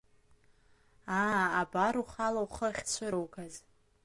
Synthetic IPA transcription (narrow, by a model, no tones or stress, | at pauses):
aabaɾuχalawχəχʲt͡sʷʰɨɾowkʰaz